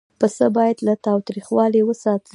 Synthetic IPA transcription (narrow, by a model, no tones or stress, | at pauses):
pəsəbɑjad̪lat̪ɑwt̪ɾixwɑliwəsɑt̪